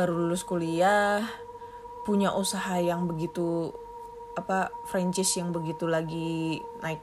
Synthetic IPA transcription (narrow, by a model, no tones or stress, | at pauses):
baɾululʊskuliah | puɲaʔusaɦajaŋbəɡit̪u | apafɾaɲt͡ʃɪsjaŋbəɡit̪ulaɡinaɪk̚